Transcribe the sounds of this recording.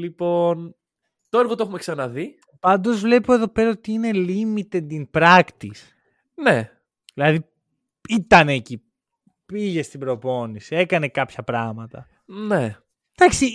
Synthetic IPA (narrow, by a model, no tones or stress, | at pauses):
lipo̞n | t̪oe̞ɾɣot̪oe̞xume̞ksɐnɐði | pɐnd̪o̞zvle̞poe̞ðo̞pe̞ɾɐot̪iine̞limit̪e̞d̪inpɾɐkt̪is | ne | ðilɐði | it̪ɐneːci | piʝe̞st̪ibɾo̞po̞nisie̞kɐne̞kɐpçɐpɾɐɣmɐt̪ɐ̰ | ne | d̪̥ɐksi